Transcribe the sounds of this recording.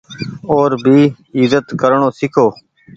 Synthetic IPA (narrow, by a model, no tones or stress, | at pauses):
oːɾbʱiː | ɪzət̪kəɾɳoːsɪkʰoː